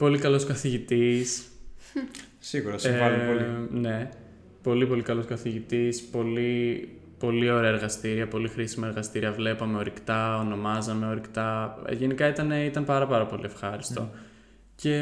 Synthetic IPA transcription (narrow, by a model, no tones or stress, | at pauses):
po̞likɐlo̞skɐθiʝit̪is | siɣuɾɐsɐoline̞ | po̞lipo̞likɐlo̞skɐθiʝit̪ispo̞li | po̞lio̞ɾeɐeɾɣɐst̪iɾiɐpo̞lixɾisimɐe̞ɾɣɐst̪iɾiɐvle̞pɐme̞o̞ɾikt̪ɐo̞no̞mɐzɐme̞o̞ɾikt̪ɐ̰ʝe̞nikɐit̪ɐne̞it̪ɐnpɐɾɐpɐɾɐpo̞lie̞fxɐɾist̪o̞̰ | ce̞